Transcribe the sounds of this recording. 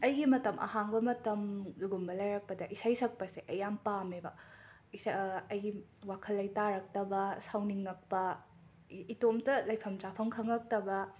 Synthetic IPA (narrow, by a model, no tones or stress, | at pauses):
ɐjɡimɐtɐmʔɐ̰haŋbɐmɐtɐmluɡumbɐlɐjɾɐk̚pɐdɐʔisajsɐk̚pɐseʔɐjampamebɐ | isɐjɡiwakʰɐlːɐjtaɾɐk̚tɐbɐsawniŋːɐk̚pɐ | itomtɐlɐjpʰɐmt͡ʃapʰɐŋkʰɐŋɐk̚tɐbɐ